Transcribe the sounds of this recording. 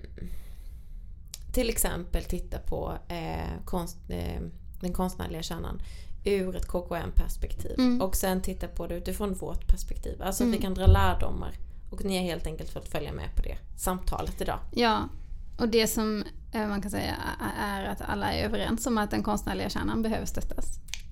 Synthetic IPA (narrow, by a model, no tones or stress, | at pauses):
t̪ʰɪlɛksɛ̰mpəlt̪ʰɪt̪ːapʰɔ̰ | kʰɔns | d̪̥ɛnkʰɔnst̪næ̰ːɭɪɡaɕæːɳa̰nʉɾɛt̪kʰoːkʰʊɛ̰mpʰæʂpɛkt̪ʰḭːvɔksɛnt̪ʰɪt̪ːapʰɔd̪ɛʉ̟ːt̪ɪfɾɔnvoʈpʰæʂpɛkt̪ʰḭːvalsɔat̪vɪkand̪ɾɑːlæːɖʊ̰mːa̰ɾ | ɔknɪhaɾheːlt̪ɛŋkəlt̪fɔlt̪fœlja̰mɛ̰pʰɔd̪ɛ̰samt̪ʰɑ̰ːlət̪ɪd̪ɑ̰ːjɑːʔɔd̪ɛsɔmmankansɛjːa̰æɾat̪a̰lːaæ̰ɾøvəɾɛ̰nsɔmat̪̚d̪ɛnkʰɔnst̪næːɭɪɡaɕæ̰ːɳanbɛɦøːvəʂst̪œt̪ʰːas